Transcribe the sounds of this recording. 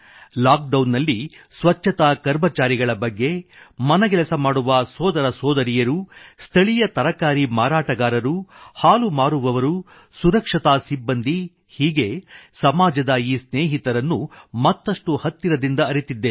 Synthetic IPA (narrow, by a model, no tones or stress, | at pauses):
laːk̚ɖɐwnːɐlːi | sʋɐt͡ʃːɐt̪ɐkɐɾmɐt͡ʃaːɾiɡɐɭɐbɐɡːe̞mɐnɐɡɛlɐsɐmaːɽuʋɐsɔːd̪ɐɾɐsɔːd̪ɐɾijɐɾust̪ʰɐɭijɐt̪ɐɾɐkaːɾimaːɾaːʈɐɡaːɾɐɾuhaːlumaːɾuʋɐʋɐɾu | suɾɐkʂɐt̪aːsibːɐnd̪ʱi | hiːɡe̞sɐmaːd͡ʒɐd̪ɐiːsneːɦit̪ɐɾɐnːumɐt̪ːɐʂʈuhɐt̪ːiɾɐd̪ind̪ɐːɾit̪id̪ːe̞